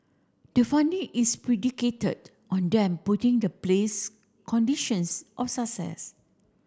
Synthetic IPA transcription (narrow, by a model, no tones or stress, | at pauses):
d̥əfãndĩʔispɹidiketə̰d | ʔɔ̃ndɛ̃mputĩŋdəples | kʰɔ̃ndiʃɔ̃nsʔɔfsasɛ̰s